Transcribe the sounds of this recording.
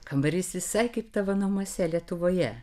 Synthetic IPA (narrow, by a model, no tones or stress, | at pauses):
kɐmbɐɾʲɪsʋʲɪsɐɪkɐɪpt̪ɐʋɐnuɔmoɔsʲɛlʲiɛt̪ʊʋoːjɛ